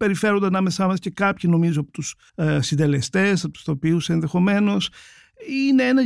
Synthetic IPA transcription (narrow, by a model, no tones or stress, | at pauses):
pe̞ɾife̞ɾo̞nd̪ɐnɐme̞sɐmɐsce̞kɐpçino̞mizoɐpo̥t̪us | sind̪e̞le̞st̪e̞sθɐt̪u̥st̪o̞piuseenðe̞xo̞me̞no̞s | ine̞enɐ